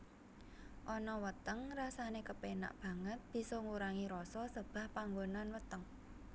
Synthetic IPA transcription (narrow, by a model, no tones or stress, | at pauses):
ʔɔnɔwət̪əŋrasanekəpena̰ʔb̥ä̤ŋət̪̚b̥i̤sɔŋuɾaŋiɾɔsɔsəb̥ä̤hpaŋɡonanwət̪əŋ